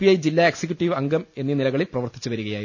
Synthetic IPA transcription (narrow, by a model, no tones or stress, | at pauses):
ijɐjd͡ʑilːaːeksek̬ʲjuʈːiʋɐŋɡɐme̞nːinilɐɣɐɭilprɐʋɐrt̪i̥t͡ɕːuʋɐɾuɣɐjaːj